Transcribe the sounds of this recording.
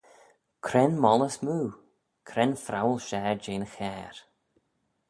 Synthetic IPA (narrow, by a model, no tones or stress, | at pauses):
kʰɾɛnmɔləsmuː | kʰɾɛnfɾawlˠʃɛːɹd͡ʒeːnxɛːɹ